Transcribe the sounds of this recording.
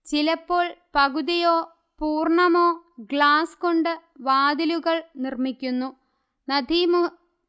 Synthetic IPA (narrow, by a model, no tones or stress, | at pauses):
t͡ɕilɐpːo̞ːɭpɐɣuðijoː | puːrɳɐmo̞ːɡɭaːsko̞ɳɖɨʋaːd̪iluɣɐɭnirmikʲːunːu | nɐd̪ʱiːm